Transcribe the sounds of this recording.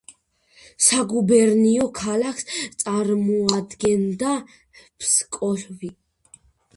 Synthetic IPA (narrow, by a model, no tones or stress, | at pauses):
saɡubɛɾniɔkʰalakʰst̪sʼaɾmɔad̪ɡɛnd̪a | pʰskʼɔɬvi